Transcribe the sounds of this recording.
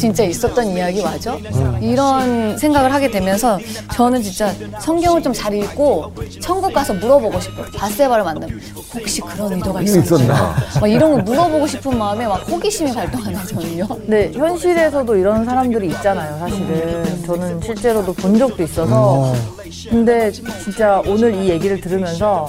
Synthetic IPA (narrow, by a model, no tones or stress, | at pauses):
t͡ɕint͡ɕ͈ais͈ʌt͈̚ʌnijaɡimad͡ʑoiɾʌnsʰe̞ŋɡaɡɯɭɦaɡe̞dwe̞mjʌnsʰʌ | t͡ɕʌnɯnt͡ɕint͡ɕ͈asʰʌŋɡjʌŋɯɭt͡ɕomt͡ɕaɾik͈ot͡ɕʰʌnɡuk͈asʰʌmuɾʌboɡoɕʰi̥p̚ʰopas͈ebaɾɯmandɯmʌ | hok̚ɕ͈ikɯɾʌnidoɡaiois͈ʌna̰maiɾʌnɡʌɭmuɾʌboɡoɕʰipʰɯnmaɯme̞mak̚poɡiɕʰimikwaɭt͈oŋɦanɯnd͡ʑʌnɯɲone̞çjʌnɕʰiɾe̞sʰʌdoiɾʌns̬ʰaɾamdɯɾiːt̚t͡ɕ͈anajosʰaɕʰiɾɯt͡ɕʌnɯnɕʰiɭt͡ɕ͈e̞ɾodopond͡ʑʌk̚t͈ois͈ʌsʰʌ | kɯnde̞t͡ɕint͡ɕ͈aonɯɾije̞ɡiɾɯɭtɯɾɯmjʌnsʰʌ